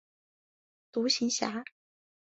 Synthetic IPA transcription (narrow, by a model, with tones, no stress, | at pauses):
t̪u˧˥ɕi˧˥ŋɕja̰˧˥